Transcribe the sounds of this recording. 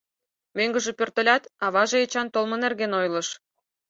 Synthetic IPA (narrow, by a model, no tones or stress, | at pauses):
møŋɡə̆ʒĕpørt̪ə̆lʲɑt̪ɑβɑʒĕet͡ɕɑnt̪olmɤ̆nerɣenojlɤ̆ʃ